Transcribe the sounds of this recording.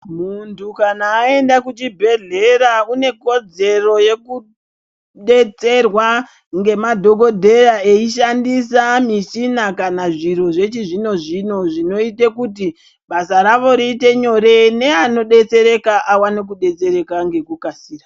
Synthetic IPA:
muntukanaːe̞ndakut͡ʃibʱe̞ɮe̞ɾaune̞ko̞d͡ze̞ro̞je̞ku | ɗe̞t͡se̞rwa | ŋɡe̞madʱo̞ko̞dʱe̞rae̞iʃandisamiʃinakanaʐiɾo̞ʐe̞t͡ʃiʐino̞ʐino̞ʐino̞itekuti | ɓasaɾaʋo̞ɾiːte̞ɲo̞ɾe̞ne̞ano̞ɗe̞t͡se̞ɾe̞kaʔawanik̬uɗe̞t͡se̞ɾe̞kaŋɡe̞kukasiːra

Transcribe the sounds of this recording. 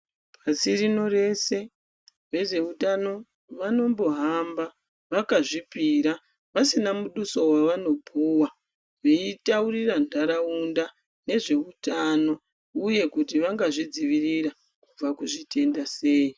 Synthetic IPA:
pasirino̞re̞se̞ | ʋe̞ʐe̞utano̞ | ʋano̞mbo̞ɦamba | ʋakaʐipiɾa | ʋasinamuɗuso̞waʋano̞bʱuwa | ʋeitaurirandʱaɾaunda | ne̞ʐe̞utano̞ | uje̞kutiʋaŋɡaʐid͡ziʋirira | kub͡vakuʐitʰe̞ndase̞ːi

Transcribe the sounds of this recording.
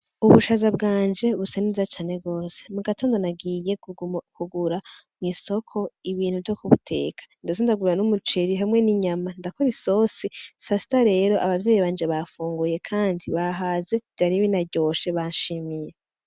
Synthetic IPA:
uβuʃazabɡaːnd͡ʒe̞βusanizat͡ʃaːne̞ɡo̞ːsemuɡatoːndonaɡije̞kʰuɡuɾamŋiso̞kʰo̞iβiːn̥huvjokuβutʰe̞̰ːkʰḁndazendaɡuɾɾanumut͡ʃeɾiɦamŋe̞niɲamandakoɾiso̞sisasi̥taɾe̞ːɾo̞ʔaβavjeːjiβaːnd͡ʒe̞βafuːŋɡuje̞kʰaːndiβaɦaze̞vjaɾiβinaɟo̞ːʃe̞βaʃimije̞

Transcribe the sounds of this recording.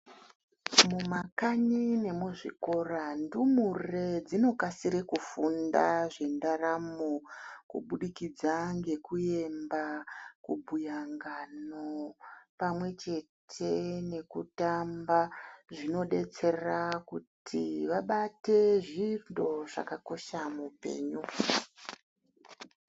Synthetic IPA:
mumakaɲine̞muʐiko̞randumure̞d͡zino̞kasiɾekufundaʐendaramokṵɓuɗikid͡zaŋɡe̞kuje̞mbakubʱujaŋɡanopamwe̞t͡ʃe̞tʰe̞ne̞kutambaʐino̞ɗe̞t͡se̞rakutʰiʋaɓate̞ʐindo̞ʐa̰kako̞ʃamupe̞̰ːɲu

